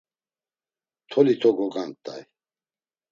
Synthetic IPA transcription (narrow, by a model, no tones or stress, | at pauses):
t̪ʰɔlit̪ʰɔɡɔɡant̪ʼa̰j